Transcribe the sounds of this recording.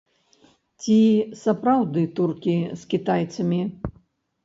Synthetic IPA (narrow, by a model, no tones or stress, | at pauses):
t͡sʲisɐpɾawd̪ɨt̪urkʲiskʲit̪ajt̪sɐmʲi